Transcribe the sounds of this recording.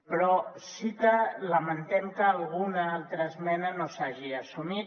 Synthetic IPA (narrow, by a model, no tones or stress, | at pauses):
pɾɔsit̪ələmənt̪ɛmkəːlˠɣunaalˠt̪ɾəːzmɛnənosaʒiasumi